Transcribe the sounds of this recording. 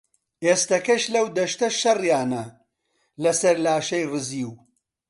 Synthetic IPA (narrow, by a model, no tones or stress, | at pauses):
eːst̪ɐkɐʃlɐwd̪ɐʃt̪ɐʃɐrjaːnɐ | lɐsɐɾlaːʃɐjrɨziːw